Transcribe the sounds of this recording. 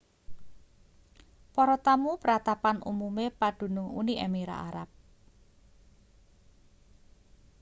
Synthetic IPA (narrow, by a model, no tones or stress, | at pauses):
pɔɾɔt̪amupəɾat̪apanṵmumepaɖ̪̥ṳnʊŋṵniʔḛmiɾa̰ʔaɾap̚